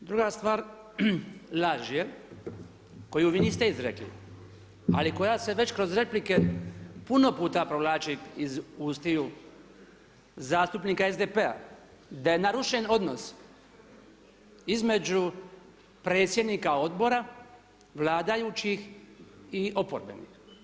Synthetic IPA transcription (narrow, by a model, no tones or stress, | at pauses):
d̪ɾuɡast̪ʋaːɾ | laʒije | ko̞juʋinist̪eizɾeklḭ | a̰liko̞jase̞ʋe̞t͡ɕkɾo̞zɾe̞plike̞puno̞puːt̪apɾoʋlaːt͡ʃiizuːst̪iju | zaːst̪upniːkaezd̪epea̰ | d̪aje̞naɾuʃeno̞d̪no̞s | izme̞d͡ʒu | pɾe̞ːt̪sje̞d̪nikao̞d̪bo̞ɾa | ʋlaːd̪ajut͡ʃix | iʔo̞poɾbḛnḭx